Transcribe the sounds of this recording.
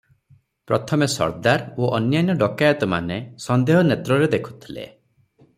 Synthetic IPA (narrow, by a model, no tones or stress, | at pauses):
pɾɔt̪ʰɔmesɔ̰ɾd̪aɾoʔɔnjanjɔɖɔkajɔt̪ɔma̰nesɔnd̪eɦɔnet̪ɾɔɾed̪ekʰu̥t̪ʰilḛ